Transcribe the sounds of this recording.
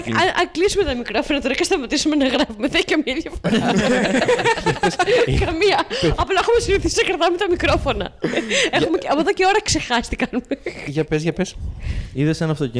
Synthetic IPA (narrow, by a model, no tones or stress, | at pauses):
ɐɐklisumet̪ɐmikɾofonɐt̪oɾɐkɐst̪ɐmɐt̪isumenɐɣɾɐfumeðekɐmiɐðjɐfoɾa | kɐmiɐɐplɐexumesiniθisisɐkɐɾt̪ɐmet̪ɐmikɾofonɐ̰exumeɐpoðoceoɾɐksexɐst̪i̥kɐnumeʝɐpesʝɐpesiðesenɐft̪oci